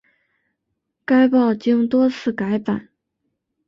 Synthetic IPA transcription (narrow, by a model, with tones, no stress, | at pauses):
ka˥ɪpɑ˥˩ʊt͡ɕi˥ŋt̪wɔ˥t͡sʰɹ̩˥˩ka˧˥ɪpa˨˩˦n